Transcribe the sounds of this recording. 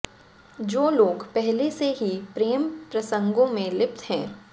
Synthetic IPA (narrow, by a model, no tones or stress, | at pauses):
d͡ʒoːloːɡpɛɦleseɦipɾeːmpɾɐsə̃ŋɡõmẽlɪpt̪hɛ̃ː